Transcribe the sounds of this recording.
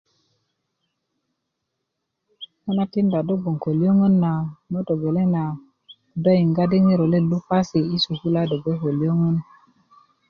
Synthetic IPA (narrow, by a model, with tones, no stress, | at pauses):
ka˦na˦ti˦nda˨do˦bo˨ŋko˨li˦jo˦ŋə˦nːa˨no˦to˨ɡe˨le˦na˨ | ku˨da˦ji˨ŋɡa˦di˦ŋi˦ɾo˨le˦lu˦pa˦si˨i˦su˨ku˦la˦do˨ɡe˦ko˨li˦jo˦ŋə˦n